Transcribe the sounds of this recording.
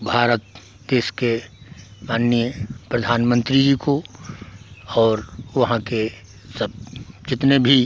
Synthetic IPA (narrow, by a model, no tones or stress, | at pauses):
bʱaːɾət̪̚ | d̪eːʃke | maːnːjjəpɾəd̪ʱaːnmə̃nt̪ɾid͡ʒiko | ɔːɾʋɐɦãke | sɐb̚t͡ʃɪt̪nebʱi